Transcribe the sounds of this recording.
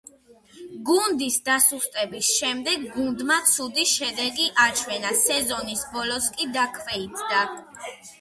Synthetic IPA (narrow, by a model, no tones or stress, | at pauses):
ɡund̪isd̪asust̪ʼɛbisʃɛmd̪ɛɡːund̪mat̪sʰud̪iʃɛd̪ɛɡiʔat͡ʃʰwɛnasɛzɔnisbɔlɔskʼid̪akʰvɛid̪d̪a